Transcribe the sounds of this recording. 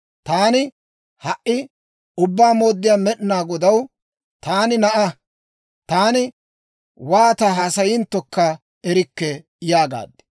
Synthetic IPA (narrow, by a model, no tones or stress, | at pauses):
t̪aːnɪ | hɐʔɪ | ʊbːaːmo̞ːd̪ːɪjaːmɛɗnaːɡɔd̪ɐw | t̪aːnɪnɐʔɐ | t̪aːnɪ | waːt̪ɐɦaːsɐjɪnt̪ːɔkːɐ | ɛɾɪkːɛ | jaːɡa̰ːd̪ːɪ̥